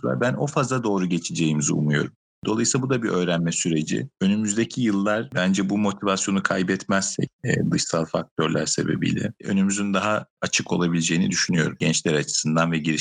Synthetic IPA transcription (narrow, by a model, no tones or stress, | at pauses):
ua̰bæno̞fazlˠad̪o̞ːɾuɟe̞t͡ʃʰed͡ʒe̞jimiziṵmujo̞̰ɾum | d̪̥o̞lˠajɯsˠabud̪abiʔø̞ːɾænmɛsyɾe̞d͡ʒḭø̞nymyzd̪ecʰijɯlˠːaɾbænd͡ʒɛbumo̞t̪ʰivasjo̞nukʰajbɛt̪mɛzsɛ̰c̚ɛːd̪ɯʃsalˠfak̚t̪ʰøɾlʲæ̰ɾse̞̰bḛbḭlʲɛ̰ø̞̰nymyzynd̪aɦaat͡ʃʰɯkʰo̞lˠabilʲed͡ʒejinḭd̪yʃynyjo̞̰ɾumɟɛnt͡ʃlʲæɾat͡ʃʰɯ̥sɯnd̪anvɛɟiɾi